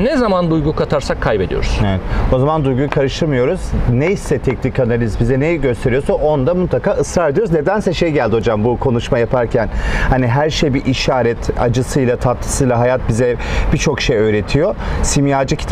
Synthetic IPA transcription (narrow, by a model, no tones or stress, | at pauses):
nɛzamand̪ujɡukʰat̪ʰaɾsakʰːajbe̞d̪ḭjo̰ɾuz̥evɛt̪o̞zamand̪ujɡujkʰaɾɯʃt̪ʰɯɾmɯjo̞ɾuz̥nejisɛt̪ʰɛcnikʰːanalʲizbizɛnɛɟø̞st̪ʰe̞ɾijo̞saʔo̞nd̪amut̪lˠakaːɯsɾaɾed̪ijoɾuzne̞d̪ænsɛʃe̞jɟælʲd̪iho̞d͡ʒambukʰo̞nuʃmajapʰaɾcʰænhaniɦæɾʃejbiʔiʃaːɾɛt̪ʰa̰d͡ʒɯsɯjlˠat̪ʰat̪lˠɯ̥sɯjlˠaɦajat̪̚bizɛb̥it͡ʃʰo̞kʃejøːɾe̞t̪ʰijo̞simjaːd͡ʒɯcʰi̥t̪